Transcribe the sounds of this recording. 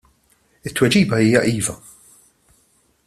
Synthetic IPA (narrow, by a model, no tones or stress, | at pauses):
ɪt̪ːwɛd͡ʒiːbɐiːjɐʔiːvɐ